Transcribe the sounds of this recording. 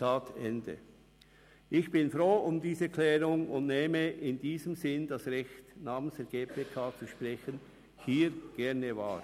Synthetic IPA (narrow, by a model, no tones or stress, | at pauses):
aːtɛndə̰ | ʔɪçb̥ɪnfɾoːʔʊmdiːzəkʰlɛːʁʊŋʊndneːməʔɪndiːzəmzɪnd̥asʁɛçtnaːmənsd̥ɛɐɡeːpʰeːkʰaːt͡suʃpʁɛçən | hiːɾɡ̥ɛʁnəva̰ːɾ